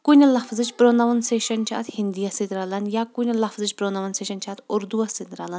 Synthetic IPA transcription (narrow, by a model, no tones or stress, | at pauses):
kunʲɐlɐfzɨt͡ʃpɾonɐʋɐnseːʃɐnt͡ʃʰa̰ːt̪hind̪ijɐsit̪ɾalɐnjakunʲɐlɐfzɨt͡ʃbɾonɐʋɐnseʃɐnt͡ʃʰaːt̪ʰuɾd̪uɐsid̪ɾalɐn